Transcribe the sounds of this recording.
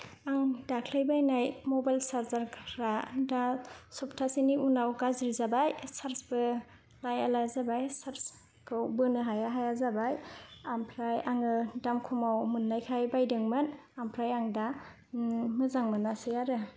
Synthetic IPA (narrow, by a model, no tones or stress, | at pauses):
aŋdakʰlajbajnajmɔbajlsaɾzaɾkʰɾadasup̚tʰasiniunawɡazɾizabajsaɾsbɯ | lajalazabajsaɾs | kʰɯwbɯnɯɦajaɦajazabajampʰɾajaŋɯdamkʰumawmɯnːajkʰajbajdɯŋmɯn | ampʰɾajaŋda | mɯzaŋmɯnasɯjaɾɯ